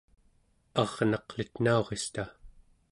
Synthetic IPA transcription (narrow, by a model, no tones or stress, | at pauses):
ɑʁnɑqlit̪nao̞ʁest̪a